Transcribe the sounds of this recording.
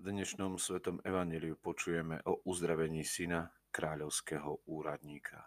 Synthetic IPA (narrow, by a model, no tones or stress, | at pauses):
d̪ɲɛʃnɔmsʋɛt̪ɔmɛʋaɲjɛlijupɔt͡ʃujɛmɛ̰ʔɔʔuzd̪ɾaʋɛɲiːsina | kɾaːʎɔʊskɛɦɔuːɾad̪ɲiːkʰa̰